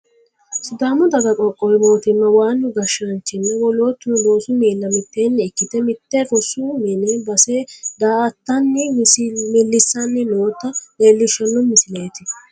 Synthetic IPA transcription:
sʊd̪aːmʊd̪ɐɡɐkʼɔkʼːɔjmo̞ːt̪ɪnːɐwaːnːʊɡɐʃːɐnt͡ʃːɪnːɛwɔloːt̪ːʊloːsʊmeːlːɐmɪt̪ːeːnːɛɛkːɪt̪ɛmɪt̪ːekɔsʊmɛnebɐsed̪aːt̪ːɐnːɪmɛlːɪsːɐnːɪnoːt̪ːɐleːlːɪʃːɐnːɔmɪsɪleːt̪ɪ

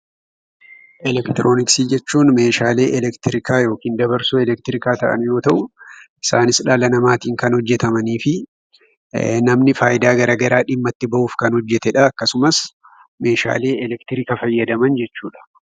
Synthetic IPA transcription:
ʔɛlɛkt̪ɪɾʔo̞ːnɪksiːd͡ʒɛt͡ʃːuːnme̞ːʃaːle̞ːʔɛlɛkt̪ɪɾɪkaːjo̞ːkiːnd̪ɐbɐɾsʊɛlɛk̚t̪ɪɾɪkaːt̪ɐʔɐ̰njo̞ːt̪ɐʔʊʔɪsaːnɪsᶑaːlɐnɐmaːt̪iːŋkɐnhɔd͡ʒːɛt̪ɐmɐniːfɪ | nɐmnɪfaːjɪd̪aːɡɐɾaːɡɐɾaːᶑɪmːɐt̪ːɪbɐʔuːfkɐnhɔd͡ʒːɛt̪ɛᶑɐɐkːɐsʊmɐs | me̞ːʃa̰ːle̞ːɛlɛkt̪ɪɾɪkɐfɐjːɐd̪ɐmɐnd͡ʒɛt͡ʃːuːᶑɐ̥

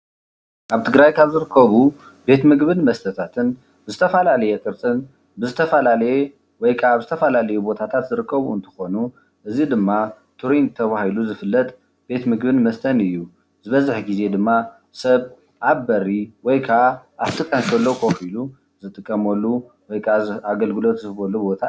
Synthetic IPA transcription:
ʔaβt̪ʰɨɡɾajkʰaβzɨɾɨkʰːɐβu | be̞t̪mɨɡβɨnmɐst̪ʰɐt̪ʰat̪ʰɨn | bɨzɨt̪ʰɐfɐlalɐjɛt̪ʼɨɾt̪ʰɨn | bɨzɨt̪ʰɐfɐlalɐjɛ | wɔjkʰaaβzɨt̪ʰɐfɐlalɐjubo̞t̪ʰat̪ʰat̪zɨɾɨkʰːɐβuɨnt̪ʰɐ̥xo̞nu | ʔɨzid̪ɨmːa | t̪ʰuɾint̪ʰɐβahiluzɨfɨlːɐt̪ʼ | b̥e̞t̪mɨɡbɨnmɐst̪ʰɐnɨjːu | zɨβɐzɨħɡize̞d̪ɨmːa | sɐβ | ʔaβːɐɾiwɔjkʰaaat̪ʼɨkʼːɐnkʰɐlːokʰo̞filu | zɨt̪ʼɨkʼːɐmolːu | wɔjkʰaaɡɐlɡɨlo̞t̪zɨβolːubo̞t̪ʰa

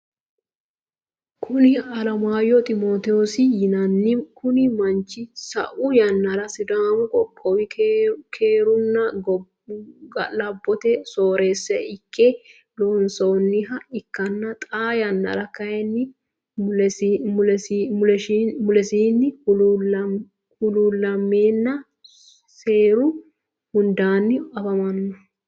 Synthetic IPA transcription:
kʰʊnɪɐlɐmaːjɔt̪ʼɪmoːt̪ɛɔsɪjɪnɐnːɪkʊnɪmɐnt͡ʃːɪsɐ̰ʔʊjɐnːɐɾɐsɪd̪aːmɔkʼɔkʼːɔwɪkʰeːɾʊnːɐɡ | ɡɐlɐbːɔt̪ɛsoːɾe̞ːsːɛʔɪkːɛ | lɔnsownːɪɦɐɪkːɐnːɐt̪ʼaːjɐnːɐ̰ɾɐkɐjɛnːɪ | mʊɛsmʊlɛʃimʊlɛsiːnːɪ | hʊluːlːɐmːeːnːɐ | seːɾʊ | hʊnd̪aːnːɪɐfɐmɐnːɔ

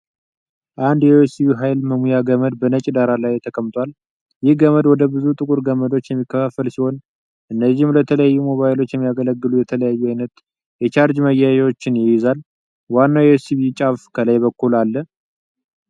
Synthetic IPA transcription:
ʔand̪jɛjosiβiɦajlməmujaɡəməd̪bənət͡ʃʼd̪aɾalajt̪ʰəkʰəmt̪ʰʷal | jɪhɡəməd̪wɔd̪əbɨzut̪ʼɨkʼuɾɡəməd̪ot͡ʃːjɛmːikːəfafːəlsiho̞n | ʔɨnːəzːɪhmlət̪ʰələjajːumo̞βajɪlo̞t͡ʃːjɛmːijaɡələɡːɨlujɛt̪ʰələjajːuajnət̪ | jɛt͡ʃaɾd͡ʒməjajiwo̞t͡ʃːɪnjɪjɪzal | wanːawjɛsiβit͡ʃʼafkʰəlajβəkːulalːə

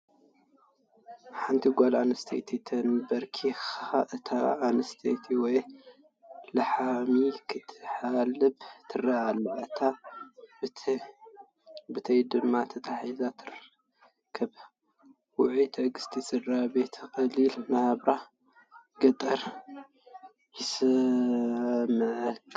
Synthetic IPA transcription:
ħant̪ʰiɡʷalanɐst̪ʰḛt̪ʰit̪ʰɐnbɐɾkʰixaʔɨt̪ʰaːnɐst̪ʰḛt̪ʰiwɔj | lɐħamikʰɨt̪ʰɨ̥ħalɨbt̪ʰɨraalɐʕt̪ʰa | bɨt̪ʰɐjd̪ɨmːat̪ʰɐt̪ʰaħizat̪ʰɨɾɐ | kʰːɐb | wʊʕut̪ʰɐɡɨst̪ʰisɨrabet̪ʰɨxʼɐlilmɐhbɾa | ɡ̥ɐt̪ʼɐɾ | jɪsɨ | mɨʕk

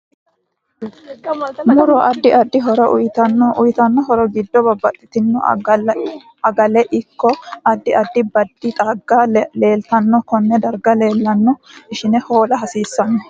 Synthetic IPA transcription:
mʊɾɔʔɐd̪ːɪʔɐd̪ːɪɦɔɾɔjt̪ɐnːʔʊjt̪ɐnːɔɦɔɾɔɡɪd̪ːɔbɐbːɐt̪ʼːɪt̪ɪnːɔ | ɐɡɐlɛʔɪkːɔɐd̪ːɪʔɐd̪ːɪbɐd̪̥ːɪt̪ʼɐɡːaleːlt̪ɐnːɔkɔnːɛd̪ɐɾɡɐle̞ːlːɐnːɔɪʃɪnɛho̞ːlɐɦɐsiːsːɐnːɔ

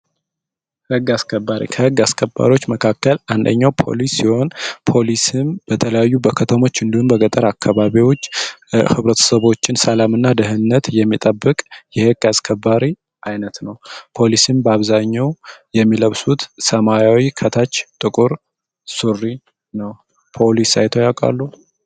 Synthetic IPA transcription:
hɨɡːaskʰəbːaɾḭkʰəhɨɡːaskʰəba̰ɾiwo̞t͡ʃːməkʰakːəland̪ə̰ɲːawpʰo̞̰lisːiho̞npʰo̞lisɨmb̥ət̪ʰələjajːubəkʰət̪ʰəmo̞t͡ʃːɨnd̪ihumbəɡət̪ʼəɾakʰːaβaβiwo̞t͡ʃːhɨβɾət̪ʰə̥səβo̞t͡ʃːɪnsəlamɨnːad̪əɦɨnːət̪jɛmːit̪ʼəbːɨkʼjɛheɡaskʰəbːaɾi | ʔajnət̪nəwpʰo̞lisɨmbəaβzaɲːawjɛmːiləβsut̪səmajawikʰət̪ʰat͡ʃːt̪ʼɨkʼuɾ | surːi | nəw | pʰo̞lisajt̪ʰojakʼa̰lːu

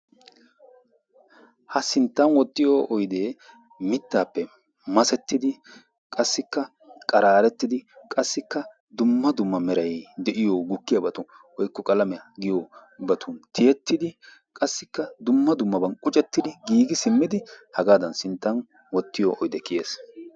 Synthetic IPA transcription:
hɐsɪnt̪ːɐnwɔt̪ʼːɪjoʔɔjd̪eː | mɪt̪ːaːpːɛ | mɐsɛt̪ːɪd̪ɪ | kʼɐsːɪkːɐ | kʼɐɾaːɾɛt̪ːɪd̪ɪkʼɐsːɪkːɐ | d̪ʊmːɐd̪ʊmːɐmɛɾɐjd̪ɛʔɪjoɡʊkːɪjɐbɐt̪ʊ | wɔjkːɔkʼɐlɐmɛɐɡɪjobɐt̪ʰʊnt̪ʰɪjɛt̪ːɪd̪ɪ | kʼɐsːɪkːɐd̪ʊmːɐd̪ʊmːɐbɐnkʼʊt͡ʃʼɛt̪ːɪd̪ɪɡiːɡɪsɪmːɪd̪ɪhɐɡaːd̪ɐnsɪnt̪ːɐn | wɔt̪ːɪjɔʔɔjd̪ɛkɪjeːs

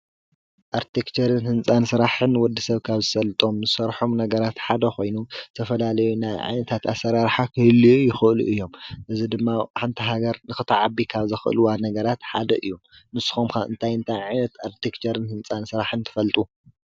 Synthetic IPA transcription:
ʔaɾt̪ʰikt͡ʃʰɐɾɨnhɨnt͡sʼansɨɾaħɨnwɔd̪ːisɐβkʰaβzɨsɐlɨt̪ʼo̞mnɨsɐɾħomnɐɡɐɾat̪ħad̪ɐxo̞jnut̪ʰɐfɐlalɐjunajʕa̰jnɐt̪ʰat̪asːɐɾaɾħakʰɨhɨlːiujɪxɨʔɨlṵʔɨjːo̞mʔɨzid̪ɨmːaħant̪ʰiɦaɡɐɾnɨxɨt̪ʰaʕabikʰaβzɨxɨʔɨ̰luwanɐɡɐɾat̪ħad̪ɐʔɨjːu | nɨsːɨ̥xomkʰaɨ̰nt̪ʰajɨnt̪ʰajʕajnɐt̪aɾt̪ʰekt͡ʃɐɾɨnhɨnt͡sʼansɨɾaħɨnt̪ʰɨ̥fɐlt̪ʼu

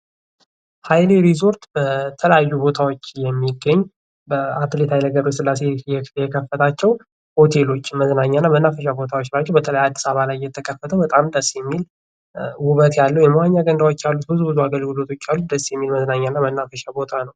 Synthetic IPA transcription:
hajleɾizo̞ɾt̪bət̪ʰələjajːubo̞t̪ʰawot͡ʃːjɛmːiɡːəɲː | bəat̪let̪ʰajləɡəɾosɨlːasejɛjɛkʰəfːət̪ʰat͡ʃːɛw | ho̞t̪ʰe̞lo̞t͡ʃːməznaɲːanːamənːafəʃ̬abo̞t̪ʰawot͡ʃːɾad͡ʒːɛwbət̪ʰələjad̪ːi̥saβalajːɛt̪ʰːəkʰʼəfːət̪ʰəwbət̪ʼamd̪əsːjɛmːil | wʊβət̪jalːuwjɛməwaɲːaɡənd̪awot͡ʃːjalːut̪̚bɨzubɨzuaɡəlɡɨlot̪ʰo̞t͡ʃːjalːud̪əsːjɛmːilməznaɲːanːamənːafəʃabo̞t̪ʰanəw

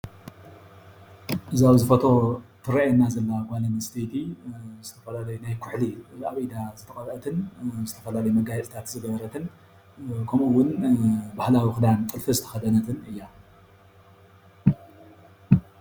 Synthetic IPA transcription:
ʔɨzawzɨfɐt̪ʰo̞t̪ʰɨɾaʔjɛnːazɐlːaɡalɐmɐst̪ʰet̪ʰizɨt̪ʰɐ̥fɐlalɐjunajkʰʊħliaβʔid̪azɨt̪ʰɐkʼɐɾʔɐt̪ʰɨnzɨt̪ʰɐfɐlalɐjumɐɡajɛt͡sʼt̪ʰat̪zɨɡɐβɐɾɐt̪ʰɨn | kʰɐmuwːʊnbahlawixɨd̪ant̪ʼɨlfɨzɨt̪ʰɐ̥xɐd̪ɐnɐt̪ʰɨnɨjːa

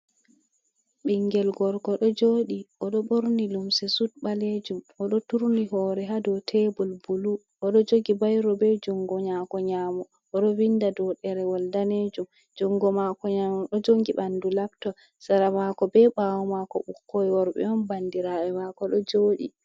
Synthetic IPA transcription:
ɓiŋɡɛlɡɔɾkɔɗɔd͡ʒoːɗiʔɔɗɔɓoɾnilumsɛsut̚ɓaled͡ʒumʔɔɗɔtuɾniɦɔɾɛɦadɔtʰɛbɔlbulu | ʔɔɗɔd͡ʒoɡibajɾɔbɛd͡ʒuŋɡɔɲakɔɲamɔ | ʔɔɗɔwindadɔɗɛɾɛwaldaned͡ʒum | d͡ʒuŋɡɔmakɔɲamɔɗɔd͡ʒoŋɡiɓandulab̚tɔ | saɾamakɔbɛɓawɔmakɔ̰ɓukʰːojwɔɾɓɛ̰ɔnbandiɾaɛmakɔɗɔd͡ʒoːɗḭ

